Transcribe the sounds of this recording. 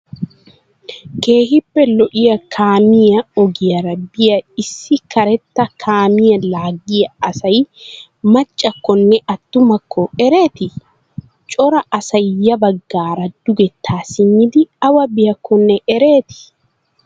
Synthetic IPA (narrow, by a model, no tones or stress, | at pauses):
ke̞ːhɪpːɛlɔʔɪjɐkʰaːmɪjɐɔɡɪjɐɾɐbːɪjɐɪsːɪkɐɾɛt̪ːɐkʰaːmɪjɐlaːɡɪjɐɐsɐj | mɐt͡ʃʼːɐkːɔnːɛʔɐt̪ːʊmɐkːɔɛɾeːt̪ɪ | t͡ʃʼɔɾɐʔɐsɐjjːɐbɐɡːaːɾɐd̪̥ʊɡɛt̪ːaːsɪɲːɪd̪ɪɐwɐbɪjɐkːɔnːɛʔɛɾe̞ːt̪ɪ̥